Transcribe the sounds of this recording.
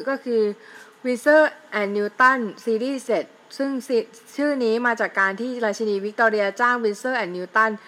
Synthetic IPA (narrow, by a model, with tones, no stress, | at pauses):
kɔː˥˩kʰɯː˧wi˦˥nsɤː˥˩ʔɛ˨˩nːiː˧t̪a˥˩nsiː˧ɾiː˥˩se˨˩t̪̚ | sɯ˥˩ŋs | t͡ɕʰɯː˥˩niː˦˥maː˧t͡ɕaː˨˩kːaː˧nt̪ʰiː˥˩ɾaː˧jt͡ɕʰa˧niː˧wi˦˥k̚t̪ɔː˧ɾi˧ɐ˧t͡ɕaː˥˩ŋwi˦˧nsɤː˥˩ʔɛ˨˩nːiː˧˥t̪a˥˩n